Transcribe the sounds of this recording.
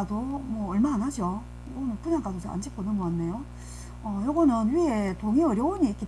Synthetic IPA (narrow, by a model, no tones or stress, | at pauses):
adomwʌːɭmaːnɦad͡ʑo | joɡʌnɯnpuɲaŋk͈adosʰea̰nd͡ʑik͈onɯnmoanːejo | ʌjʌɡʌnɯnɥie̞toŋeʌɾjʌoɲiːk͈e